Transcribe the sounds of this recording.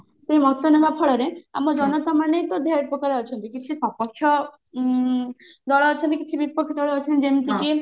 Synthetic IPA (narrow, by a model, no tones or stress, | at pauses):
sejmɔt̪ːɔnemapʰɔɭɔɾea̰mɔd͡ʒɔnɔt̪amanejt̪od̪ʱjaipɾɔkaɾeɔt͡ʃʰɔnt̪ikit͡ʃʰisɔpɔkʰːjɔ | d̪ɔɭɔːt͡ʃʰɔnt̪ikit͡ʃʰibipːɔkʰjɔd̪ɔɭeɔt͡ʃʰɔnt̪d͡ʒent̪iki